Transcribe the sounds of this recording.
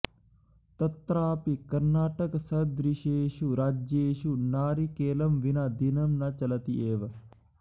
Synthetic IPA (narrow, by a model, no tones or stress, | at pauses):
t̪ɐt̪ɾaːpikɐɾnaːʈɐksɐd̪ɾiʃeːʃuɾaːd͡ʒeːʃunaːɾikeːlɐmʋinɐd̪inɐmnɐt͡ʃɐlɐt̪ieːʋɐ